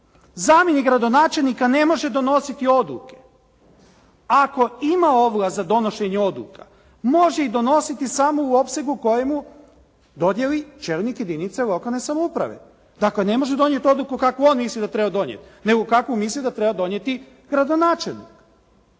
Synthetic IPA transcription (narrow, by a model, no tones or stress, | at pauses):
zaːmjeniɡɾad̪o̞naːt͡ʃe̞lˠnikane̞mo̞ʒe̞d̪o̞no̞sit̪io̞d̪lˠṵke̞̥ | ako̞imaoʋoɡazad̪o̞no̞ʃeɲeo̞d̪lṵkʰa̰ | mo̞ʒeid̪o̞no̞sit̪isamouo̞pse̞ɡuko̞jemu | d̪o̞d̪jelit͡ʃeɾnikje̞d̪init̪selˠo̞kalˠne̞samoupɾa̰ʋḛ | d̪̥akle̞ne̞mo̞ʒed̪o̞nje̞t̪o̞d̪lˠukukakoo̞ːnmislid̪at̪ɾebad̪o̞njḛt̪ne̞ɡokakomislid̪at̪ɾebad̪o̞njet̪i | ɡɾad̪o̞naːt͡ʃelˠnḭk